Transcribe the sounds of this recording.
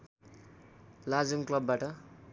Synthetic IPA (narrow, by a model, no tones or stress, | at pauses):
lad͡zuŋklʌbːaʈʌ